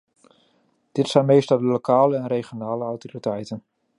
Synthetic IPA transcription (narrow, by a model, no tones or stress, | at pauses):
d̥ɪtsɛjnmejstɔlˠdəlokʰaːləɛnrejχjonaːləawtoritɛjtən